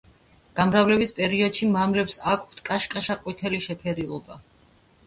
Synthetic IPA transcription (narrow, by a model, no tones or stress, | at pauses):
ɡ̥amɾavlɛbispʼɛɾiɔd̪̥ʃimamlɛpsakʰt̪ʰkʼaʃkʼaʃaqʼwit̪ʰɛliʃɛpʰɛɾilˠɔba